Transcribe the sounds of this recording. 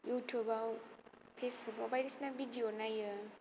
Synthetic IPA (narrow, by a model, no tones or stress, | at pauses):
jutʰjubaw | fʰesbukawbajdisnavidionajə